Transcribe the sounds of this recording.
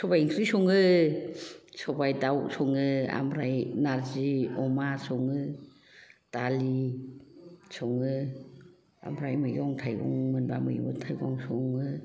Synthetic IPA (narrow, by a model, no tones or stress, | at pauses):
sɔbajiŋsɾisɔŋɯ | sɔbajdawsɔŋɯa̰mɾajnaɾziɔmasɔŋɯ | tali | sɔŋɯ | a̰mɾajmɯjɡɔŋtʰajɡɔ̰ŋmɯnba̰mɯjbɯtʰajɡɔŋsuŋɯ